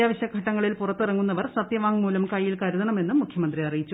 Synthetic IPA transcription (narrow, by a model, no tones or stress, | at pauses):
aːʋɐɕjɐɡʱɐʈːɐŋːɐɭilpurɐt̪ːirɐŋːunːɐʋɐrsɐt̪jɐʋaːŋmuːlɐmkɐjːilkɐɾuðɐɳɐme̞nːumːukʰjɐmɐnd̪riɐrijit͡ɕːu